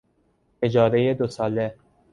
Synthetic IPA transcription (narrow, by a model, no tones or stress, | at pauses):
ed͡ʒɒːɾejed̪osɒːle